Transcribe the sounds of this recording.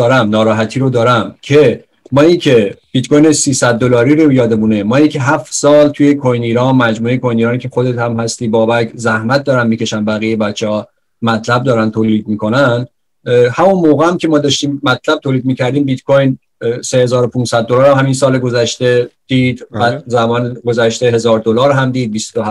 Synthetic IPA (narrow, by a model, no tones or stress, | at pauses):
ɒːɾæmnɒːɾɒːɦæt̪ʰiːɾod̪ɒːɾæmcʰe | mɒːiːcʲʰe̞b̥it̪kʰojnesiːsæd̪̚ːolɒːɾiːɾojɒːd̪emuːne̞mɒːicʰe̞ɦæft̪sɒːlt̪ʰuje̞kʰojniːɾɒːnmæd͡ʒmuːejekʰojniːɾɒːnicʰexod̪et̪hæmhæst̪iːbɒːbækʰzæhmæt̪̚ʰd̪ɒːɾænmiːcʰe̞ʃænbæɣijebæt͡ʃʰːehɒː | mæt̪ʰlæb̚d̪ɒːɾænt̪ʰoːliːd̪̚miːkʰo̞næn | hæmonmoːɣeæmcʰʲe̞mɒːd̪ɒːʃt̪iːmːæt̪ʰlæb̚t̪ʰoːliːd̪̚miːcʰæɾd̪iːmbit̪kʰojn | se̞he̞zɒːɾopʰunsæd̪̚ːolɒːɾæmhæminsɒːleɡo̞zæʃt̪e̞d̪̥iːd̪bæzæbɒːnɡozæʃt̪e̞ɦe̞zɒːɾd̪olɒːɾɦæmd̪iːd̪̚bist̪o